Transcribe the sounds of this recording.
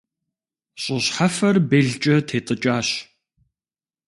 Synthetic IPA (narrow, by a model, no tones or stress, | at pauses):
ɕʼʊɕħafɐrbeːɮt͡ʃʼɐtʰeːtʼɨt͡ʃʼaːɕ